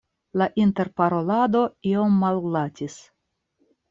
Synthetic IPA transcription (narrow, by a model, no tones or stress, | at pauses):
laʔinte̞ɾpaɾo̞lado̞io̞mːallatʲis